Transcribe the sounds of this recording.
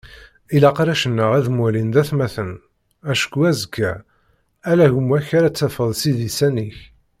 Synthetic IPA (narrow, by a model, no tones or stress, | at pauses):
ilɑqɾæʃənːəʁæðmælind̪æθmæθən | æʃkuæzəkːæ | ælæʝəmwæçaɾæt͡sːæfəðˤsiðisæniç